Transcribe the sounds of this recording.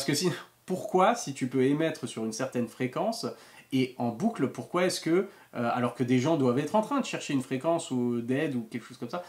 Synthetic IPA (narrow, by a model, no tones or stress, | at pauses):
askəsi | puʁkwasit̪ypøemɛt̪χəsyʁynsɛʁt̪ɛnfχekɑ̃s | eɑ̃buklpuʁkwaɛskə | øa̰lɔʁkəd̪eʒɑ̃d̪wavɛt̪χɑ̃t̪χɛ̃d̪əʃɛʁʃeynfχekɑ̃sud̪ɛd̪ukʲɛlkə̥ʃoz̥kɔmsa